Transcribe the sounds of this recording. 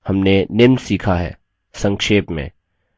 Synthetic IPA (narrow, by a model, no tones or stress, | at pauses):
hɐmnenɪmsiːkʰaɦɛ̰ː | sɐ̃ŋkʃeːpmḛ̃ː